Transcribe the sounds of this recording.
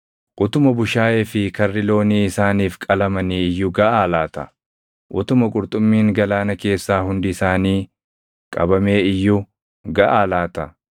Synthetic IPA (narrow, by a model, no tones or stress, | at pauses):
ʔʊt̪ʊmɐbʊʃaːjeːfɪkɐrːɪlo̞ːniːɪsaːniːfkʼɐlɐmɐniːɪjːʊɡɐʔaːlaːt̪ɐ̰ | ʔʊt̪ʊmɐkʼʊɾt̪ʼʊmːiːŋɡɐlaːnɐke̞ːsːaːhʊnd̪ɪɪsaːniː | kʼɐ̰bɐme̞ːɪjːʊ | ɡɐʔaːlaːt̪ɐ